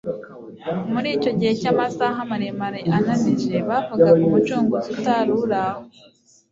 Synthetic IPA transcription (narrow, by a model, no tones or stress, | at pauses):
muɾiːco̞ɟihe̞camasaɦamaɾemaɾeʔanamiʒe̞βavuɡaumut͡ʃuːŋɡoutaːɾuɾaho